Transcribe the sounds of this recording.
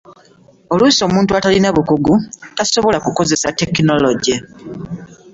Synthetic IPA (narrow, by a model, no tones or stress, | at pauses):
o̞luso̞ːmuːntuatalinaβukuɡutaso̞βo̞lakuko̞ze̞satːe̞kinoloɟe